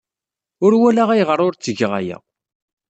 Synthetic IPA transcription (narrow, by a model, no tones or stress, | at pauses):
ʊɾwælaʁæjʁəɾˤʊɾt͡sːəʝʁa̰jæ̰